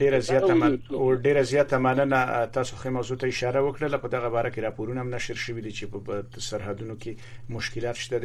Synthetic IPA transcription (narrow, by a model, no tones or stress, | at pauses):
ɖeɾazjɑt̪amaɖeɾazjɑt̪amanənat̪ɑsoxemawzot̪aɪʃɑɾawəkɽəlapəd̪aɣabɑɾakeɾɑpoɾunamnaʃəɾʃəwid̪it͡ʃepə | saɾɦad̪unokemʊʃkɪlɑt̪ʃt̪ad̪e